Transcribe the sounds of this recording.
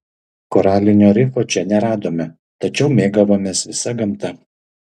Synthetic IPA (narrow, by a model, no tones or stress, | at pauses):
koɾɑːlʲɪnʲoːɾʲɪfoːt͡ʃʲɛnʲɛɾɑːd̪oːmʲɛ | t̪ɐt͡ʃʲɛʊmʲeːɡɐʋoːmʲeːsʋʲɪsɐɡɐmt̪ɐ